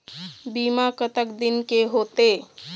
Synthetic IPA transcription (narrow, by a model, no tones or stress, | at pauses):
biːmakət̪əkd̪ɪnkeɦoːt̪eː